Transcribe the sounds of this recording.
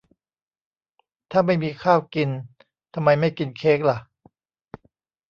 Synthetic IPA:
t̪ʰaː˥˩ma˥˩jmiː˧kʰaː˥˩wki˧n | t̪ʰa˧mːa˧jma˥˩jki˧nkʰeː˦˥k̚la˧˥ʔ

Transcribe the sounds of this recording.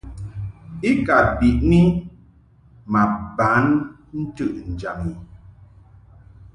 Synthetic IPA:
i˦ka˨bi˨ʔni˦ | ma˨ba˨˦n | n̩˦tɨ˦˨ʔn̩˨d͡ʒa˨mi˨

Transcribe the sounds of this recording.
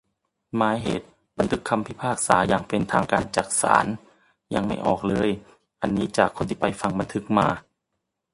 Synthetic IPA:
maː˨˦jɦḛː˨˩t̪̚ | ba˧nt̪ʰɯ˦˥kʰːa˧mpʰi˦˥pʰaː˥˩k̚sa̰ː˩˦jaː˨˩ŋpe˧nt̪ʰaː˧ŋkaː˧nt͡ɕa˨˩k̚sa̰ː˩˦n | ja˧ŋma˥˩jʔɔ̰ː˨˩k̚lɤː˧j | ʔa˧nːiː˦˥t͡ɕaː˨˩kʰo˧nt̪ʰiː˥˩pa˧jfa˧ŋba˧nt̪ʰɯ˦˥k̚maː˧

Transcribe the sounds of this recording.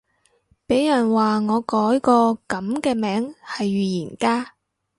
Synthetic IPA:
pe˨˥jjɐ˨˩nwaː˨˩ŋɔː˨˧kɔː˨˥jkɔː˧kɐ˨˥mkɛː˧mɛː˨˥ŋhɐ˨jɥyː˨jiː˨˩nkaː˥

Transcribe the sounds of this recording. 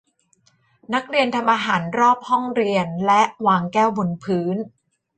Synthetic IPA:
na˦˥k̚ɾi˧ənt̪ʰa˧mʔaː˧ɦaː˩˦nɾɔː˥˩p̚hɔ˥˩ŋɾi˧ənlɛ˦˥ʔwaː˧ŋkɛː˥˩wbo˧npʰɯː˦˥n

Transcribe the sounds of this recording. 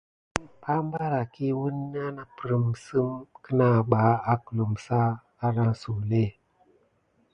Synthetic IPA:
pa˦mba˦ɾa˨ki˦wu˦nː˦a˦na˨pɾə˨msɨ˦mkə˦na˦˨ɓa˨˦a˦kə˨lu˨msa˦ | a˦ɾa˦ŋsu˨le˦

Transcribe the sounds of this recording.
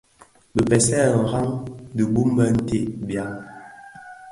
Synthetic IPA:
bə˨pɛ˨sɛ˦˨ŋ̩˨ɣa˦ŋdə˨bu˦m˦bə˦n̩˦te˦˨ʔbja˦

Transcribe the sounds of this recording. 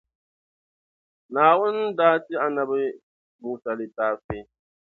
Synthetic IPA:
naː˨wʊ˦n˦daː˦tɪ˦a˨na˨bɛ˦ | bu˨sa˨lɨ˨taː˦fe˦

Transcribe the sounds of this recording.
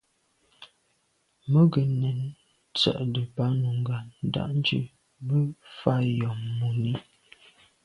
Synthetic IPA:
mə˦ɡə˨nɛ˨n | t͡sə̰˨ʔdə˨pa˨˦nu˨ŋ˨ɡa˨nn˨˦da̰˦ʔn˦d͡ʒḭ˦ | bə˦fa˦jɔ˨mːu˨ni˦

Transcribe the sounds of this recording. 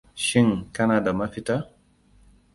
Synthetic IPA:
ʃi˦ŋka˦na˨da˨ma˦fi˦ta˦

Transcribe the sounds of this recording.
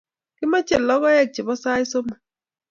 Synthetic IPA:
kɪ˦ma˦t͡ʃe˨lːɔ˦ɣɔ˦jɛ˦˨k̚t͡ʃɪ˨bɔ˦sa˦i˦so˦ma˨

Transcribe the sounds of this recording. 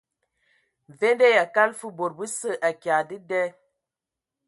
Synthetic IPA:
ve˦ndɛ˦ja˨ka˦lfu˦bo˨ɾ̚bɨ˦sə˦˨ʔa˨kja˨dɨ˦dɛ˦

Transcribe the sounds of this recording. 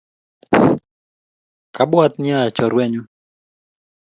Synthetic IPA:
ka˦bwat̪nɪa˦˨t͡ʃɔ˨ɾwɛ˦ɲu˦

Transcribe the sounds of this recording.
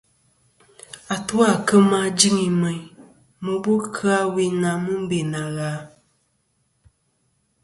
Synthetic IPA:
a˨tu˦a˦˨kə˦ma˦d͡ʒi˦ŋi˨mə˨ɲ | mə˨bu˦kʰa˦we˦na˨mu˦m̩˦be˨na˨ɣaː˨˦

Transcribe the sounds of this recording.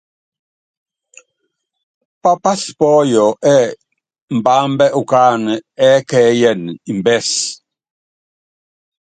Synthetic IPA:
pa˦pa˦spɔː˦jɔ˨ʔɛ˦ | m̩˨baː˨˦m˦bɛ˦ʔu˨kaː˦n˨ɛ˦kɛ˨˦jɛ˦˨ni˨m˨bɛ˦˨s

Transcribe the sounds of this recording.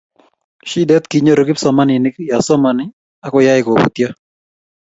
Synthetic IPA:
ʃi˦dɛ˦t̪ki˦ɲo˦ɾo˦ki˦psɔ˨ma˦nɪ˨nɪ˦kja˨sɔ˦ma˨nɪ˦ | a˦kɔ˦ja˦ɪ˦ko˨bṵ˨t̪ja˦

